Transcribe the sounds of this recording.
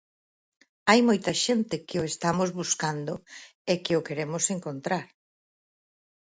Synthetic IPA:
ajmojt̪ɐʃent̪ɪkɪʊest̪amozβuskand̪o | ekɪʊkeɾemʊseŋkont̪ɾaɾ

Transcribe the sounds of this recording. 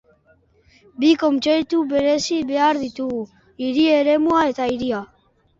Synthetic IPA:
biko̞mt͡ʃejt̪uβe̞ɾe̞siβe̞aɾðit̪uɣu | iɾie̞ɾe̞muaet̪aiɾia

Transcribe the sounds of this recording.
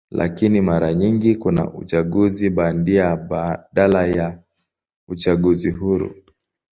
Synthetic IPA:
lʔa̰kinimaɾaɲiŋɡikuna̰ʔṵt͡ʃaɠuziɓandiaɗalaja | ut͡ʃaɠuziɦuɾṵ

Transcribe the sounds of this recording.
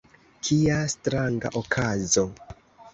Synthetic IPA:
kʰiastɾaŋɡa̰ʔokʰazo̞

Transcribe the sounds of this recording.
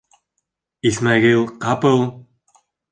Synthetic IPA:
ismaʁilˠqɑpɤlˠ

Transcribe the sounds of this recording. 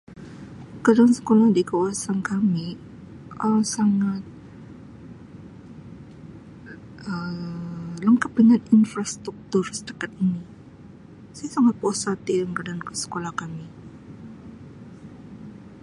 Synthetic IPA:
kadaansə̥kolahdikawasankami | ʔəsaŋat̪̚ | ə | ləŋkəp̚dəŋaninfɾast̪ɾuk̚t̪ʊrsə̥təkat̪̚ini | sajasaŋat̪̚posat̪idaŋkadaankəsə̥kolahkami

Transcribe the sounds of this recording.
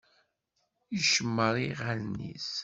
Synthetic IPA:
jəʃəmːəɾˤiʁalnḭs

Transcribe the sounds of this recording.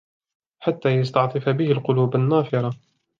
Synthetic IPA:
ħat̪ːaːjɑst̪ɑʕt̪ˤɨfabɪhɪlqʊluːbanːaːfɪɾˤɑ

